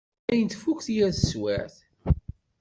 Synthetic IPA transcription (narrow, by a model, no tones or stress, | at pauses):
æjənt̪fukθjæðəswæ̰ɾθ